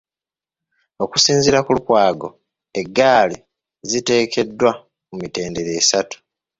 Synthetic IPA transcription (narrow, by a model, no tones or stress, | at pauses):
o̞ku̥siːnziɾakulukwaːɡo̞̰ | e̞ɡːaːli | zite̞ːkʰe̞dːwa | mumite̞ːndeɾe̞ːsatu̥